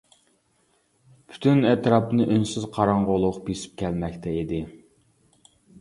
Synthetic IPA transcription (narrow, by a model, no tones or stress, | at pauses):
pʰy̥t̪ʰynɛt̪ɾɑpnɨʔønsyzqʰɑɾɑɴʁolˠʊqbesɪ̥p̚kʲʰɛlmɛkʲt̪ʰɛid̪ɪ